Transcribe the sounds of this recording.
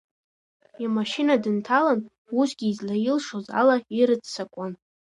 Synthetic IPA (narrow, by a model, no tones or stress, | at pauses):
imaʃinadɨntʰalan | usɡʲiːzlajɪlʂoza̰laiɾɨt͡ssakʷʼan